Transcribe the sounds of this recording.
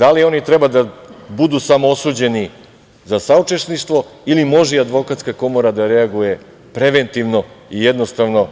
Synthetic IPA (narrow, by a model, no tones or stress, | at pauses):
d̪alio̞nit̪ɾebad̪abud̪usamoosuːd͡ʑe̞ni | zasaut͡ʂe̞ʃniʃt̪ʋo̞ilimo̞ʒiad̪ʋo̞kat̪skako̞moɾad̪aɾe̞aɡuje̞ | pɾe̞ʋe̞nt̪iʋno̞ijed̪no̞st̪aʋno̞